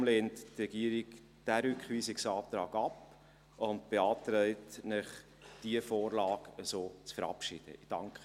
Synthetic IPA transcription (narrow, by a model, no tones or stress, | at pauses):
mleːnttrɛɡiəɾik | d̥æɾʏkχʋiːsɪksɑːpt̪ɾɑːɡɑp | ʊntb̥eɑːt̪ɾɛɪtnɪχ | d̥iəfoːrlɑːɡəsoːt͡sfəɾɑ̰pʃḭd̥ə̰ɪd̥ɑ̰ŋkχə